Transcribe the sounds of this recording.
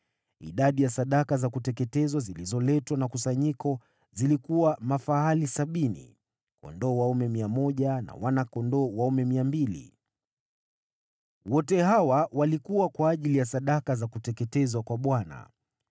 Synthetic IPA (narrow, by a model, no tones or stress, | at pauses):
ḭɗaɗijasaɗakazakutɛkɛtɛzwazilizɔlɛtwanakusaɲikɔ | zilikuwamafaalisaɓinḭ | kɔ̰ndɔːwaumɛmiamɔʄana̰wanakɔndɔːwaumɛmiambilḭ | wɔtɛɦawawalikuwakwaːʄilijasaɗakazakutɛkɛtɛzwakwaɓwana̰